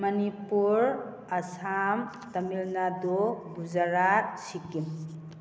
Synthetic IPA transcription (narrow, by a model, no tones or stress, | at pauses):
mənipuɾ | əsam | t̪əmilnad̪obud͡ʒaɾasikim